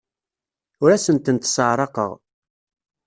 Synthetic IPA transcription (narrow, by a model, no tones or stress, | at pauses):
ʊɾæsənt̪ənt̪səʕɾˤɑqə̰ʁ